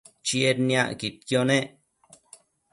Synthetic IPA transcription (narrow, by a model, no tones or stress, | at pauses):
t͡ʃjeɾnja̰kit̪̚kjone